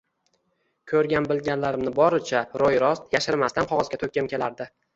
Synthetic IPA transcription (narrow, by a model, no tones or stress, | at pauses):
kʲʰɵɾɡʲanbɪlɡʲanlaɾɪmnɪbɒɾɪt͡ʃʰaɾojɾɒst̪jaʃɪɾmast̪anqʰɒʁɒzɡʲat̪ʰɵkʲːɪmkʲʰe̞la̰ɾd̪ɪ